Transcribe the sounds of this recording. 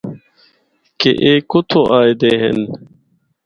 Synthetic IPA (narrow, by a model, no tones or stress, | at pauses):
kḛʔeːkut̪ʰoʔaːjd̪eɦḛn